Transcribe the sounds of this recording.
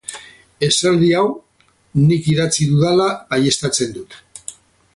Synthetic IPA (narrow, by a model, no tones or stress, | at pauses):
e̞sald̪iaw | nikiðat͡siðuðalaːje̞st̪at͡se̞nd̪ut̪